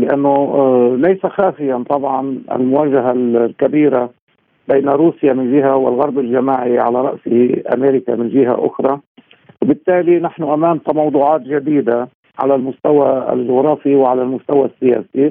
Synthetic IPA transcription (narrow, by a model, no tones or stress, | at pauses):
lɪʔa̰nːʊlajsaxaːfɪjant̪ˤɑbʕɑnʔa̰lmʊwaːʒaɦallkabiːɾa | bejnaɾuːsjamɪnʒɪɦawɪlɣɑɾˤbɪlʒamaːʕiʕa̰laɾˤɑ̰ʔsɪhɪʔa̰meːɾɪka̰mɪnʒɪɦa̰ʔʊ̰xɾˤɑ | wbɪt̪ːaːlinaħnʊʔamaːnt̪amɑwd̪ˤuːʕɑːt̪ʒad̪iːd̪a | ʕa̰lalmʊst̪awa̰lʒʊɣɾˤɑːfiwʕalalmʊst̪awasːɪja̰ːsi